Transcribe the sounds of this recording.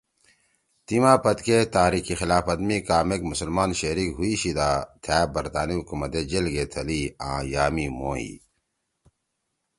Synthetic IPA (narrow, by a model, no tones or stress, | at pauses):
t̪imaːpɐt̪ket̪aːɾikixilaːfɐd̪mikaːmekmusɐlmaːnɕɐɾikɦuiɕid̪aːt̪ʰɛːbɐɾt̪aːniɦukumɐt̪ed͡ʑelɡet̪ʰɐliːã̰ːjaːmimõ̰ːḭ